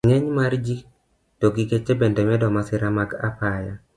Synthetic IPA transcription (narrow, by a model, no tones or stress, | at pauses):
ŋɛɲmard͡ʒi | toɡiket͡ʃebendɛmɛdɔmasɪɾamaɡapaja